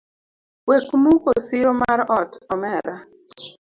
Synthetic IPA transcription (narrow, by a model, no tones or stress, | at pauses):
wekmukosɪɾomaɾɔtɔmɛɾa